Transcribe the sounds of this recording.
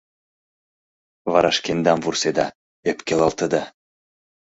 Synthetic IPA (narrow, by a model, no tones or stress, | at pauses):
vɑɾɑʃkend̪ɑmvursed̪ɑ | epkʲelɑlt̪əd̪ɑ